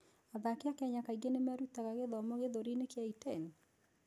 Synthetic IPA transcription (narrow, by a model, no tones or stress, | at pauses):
aðakɪakjaɲakaiɡenemɛɾut̪aɣaɣeðɔmɔɣeðoɾinekjaitɛn